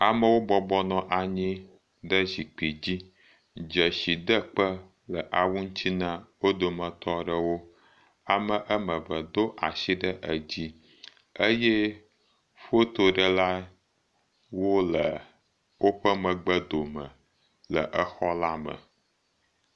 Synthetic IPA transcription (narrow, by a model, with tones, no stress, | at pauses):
a˨mə˦wo˦bɔ˦bɔ˦nɔ̃˨ʔa˨ɲĩ˦ | ɖə˦zi˨k͡pi˨d͡ʑi˦ | d͡ʒə˨ʃi˨d̪ə˦k͡pə˦ | lə˨ʔa˨wu˦ŋ̩˦t͡ɕ̪i˦nã˦wo˦d̪o˨mə̃˨t̪ɔ˦ɖə˦wo˦ | a˨mə̃˨ʔə˦mə̃˨və˨d̪o˦ʔa˨ʃi˦ɖə˦ʔə˨d͡ʑi˦ | ə˦jɛ˦ | ɸo˦t̪o˨ɖə˦la˦ | wo˦lə˨ | wo˦ɸə˦mə̃˨ɡ͡bə˦d̪o˨mə̰̃˨ | lə̰˨ʔə˦xɔ˦la˦mə̰̃˨